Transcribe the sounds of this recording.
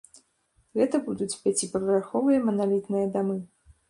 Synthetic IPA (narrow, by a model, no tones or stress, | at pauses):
ɣɛt̪ɐbud̪ut͡sʲpʲat͡sʲipɾvʲɾaxɔvɨjɐmɐnalʲit̪nɨjɐd̪amɨ